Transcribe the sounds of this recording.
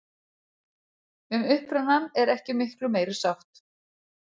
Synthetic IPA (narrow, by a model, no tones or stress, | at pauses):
ʏmʏhpɾʏnanɛɾɛhcɪmɪhklʏmeːjɾɪ̥sawht̪